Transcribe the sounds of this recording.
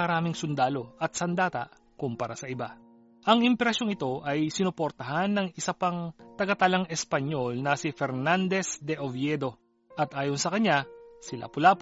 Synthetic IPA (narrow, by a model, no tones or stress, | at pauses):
ɐɾaːmɪŋsʊnd̪aːlo̞ʔɐt̪̚sɐnd̪aːt̪ɐ̰ʔ | kʊmpɐɾasɐɪba | ʔɐŋɪmpɛɾɐʃoŋɪt̪o̞ʔɐjsɪnʊpoɾt̪ɐɦanːɐŋɪsɐpɐŋt̪ɐɡɐt̪ɐlɐŋɛspɐɲo̞lnɐsɪfɛɾnand̪ɛsd̪ɛʔovjɛd̪o̞ | ʔɐt̪ʔaːjonsɐkɐɲːasɪla̰pʊlaːp